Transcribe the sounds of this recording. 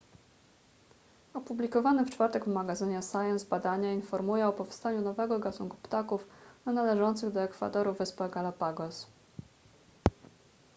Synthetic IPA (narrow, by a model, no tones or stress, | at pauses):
ɔpublʲikɔvanɘft͡ʂfaɾt̪ɛɡvmaɡazɘɲasajɛnzbad̪aɲainfɔɾmujɛɔpɔfst̪aɲunɔvɛɡɔɡat̪unkupt̪akufnanalɛʐɔnt̪sɘɣd̪ɔɛkfa̰t̪ɔɾuvɘspaɡalapaɡɔs